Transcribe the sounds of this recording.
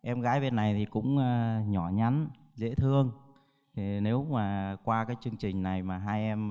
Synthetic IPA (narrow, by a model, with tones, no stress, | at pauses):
ʔɛ˧mɣaː˨˦jɓe˧nːa˨˩jt̪ʰi˨˩kʊ̰˧˥ŋ͡mːɲɔ˧˩ɲa˨˦n | zḛ˧˥t̪ʰɨ˧əŋ | t̪ʰi˨˩ne˨˦wmaː˨˩kwaː˧kaː˨˦jt͡ɕɨ˧əŋt͡ɕï˨˩ŋ̟na˨˩jmaː˨˩ɦaː˧jʔɛ˧m